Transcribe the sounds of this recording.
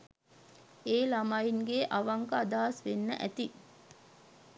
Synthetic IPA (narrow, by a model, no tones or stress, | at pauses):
eːlamajiŋɡeʔaʋaŋkəad̪aːsʋenːə̰ʔæt̪i